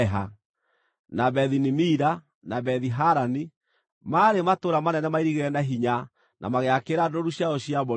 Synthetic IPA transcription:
ɦa | naβɛðinimiɾa | naβɛðiɦaɾani | maɾematoɾamanɛnɛmaiɾiɣeɛnaɦiɲa | nʔa̰maɣeakeɾadoɾuɕjaɔɕiaβɔ

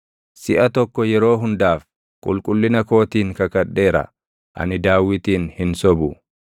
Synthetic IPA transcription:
sɪʔɐt̪ɔkːɔjɛɾo̞ːɦʊnd̪aːf | kʼʊ̰lkʼʊlːɪnɐko̞ːt̪iːŋkɐkɐᶑːe̞ːɾɐ̰ | ʔɐ̰nɪd̪aːwːɪt̪iːnhɪnsɔbʊ

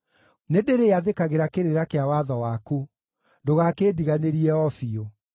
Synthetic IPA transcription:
nedeɾeaðekaɣeɾakeɾeɾakeawaðɔwaku | ndoɣakeːdiɣaneɾiɛɔfio

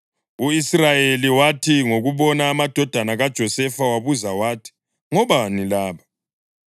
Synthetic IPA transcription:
uisrajeliwatʰiŋoɣuβɔnaːmad̥ʱɔd̥ʱanaɣad̥ʒ̥ʱɔsɛfawaβuzawaːtʰi̥ | ŋɔβanilaːβa

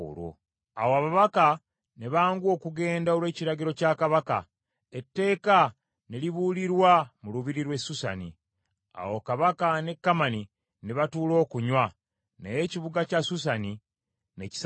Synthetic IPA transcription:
ɾo̰ | a̰woaβaβaka | neβaːŋɡwo̞ːkuɡe̞ːndaolwe̞ːciɾaɟiɾo̞cakaβaka̰ | etːe̞ːka | neliβuliɾwamuluβiɾiɾwe̞susa̰nḭ | a̰wo̞kaβakane̞kːamani | neβatuːlo̞ːkuɲwa | neje̞ciβuɡacasusani | ne̞ci̥s

